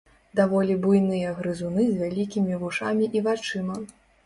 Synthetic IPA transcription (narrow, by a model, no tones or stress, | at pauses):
d̪avɔlʲibujnɨjɐɣɾɨzunɨzʲvʲalʲikʲimʲivuʂamʲiʔivat͡ʂɨmɐ